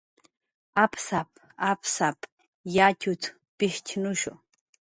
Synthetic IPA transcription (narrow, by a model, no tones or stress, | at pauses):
apsap̚ | apsap | jat͡ʃʊt͡s | pɪʃt͡ʃnʊʃʊ̰